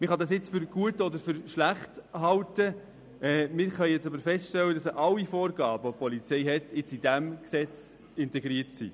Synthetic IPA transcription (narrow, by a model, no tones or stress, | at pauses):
mɪχɑdɑs̬jɪt͡sfʏɾɡ̥uətɔd̪əɾfʏɾʃlæχtɦɑltə | ʔɛːmɪɾχœʏjɛt͡sɑbəɾfɛstʃtɛlːədɑsəʔɑlːifoːɾɡɑːbəopʰɔlit͡sɛɪɦɛtjɪt͡sidæmksɛt͡s | ɪntɛɡɾiəɾtsḭ